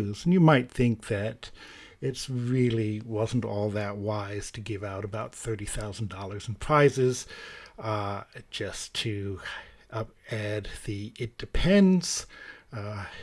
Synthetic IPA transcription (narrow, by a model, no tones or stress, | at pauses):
zn̩jɨmaɪt̪̚θɪ̃ŋk̚ðɨɾ | ɪtsɹɪlˠiwʌzn̩tɔlˠðɨt̚waɪz̥tʰɨɡɪvaʊɾəbaʊt̪̚θɜ˞ɾiθaʊzn̩dɔlˠə˞zn̩pʰɹ̥aɪzɪz̥ | ʒ̥ʌstʰɨ | æd̪̚ðiɪt̚d̥ɨpʰɛ̃nz̥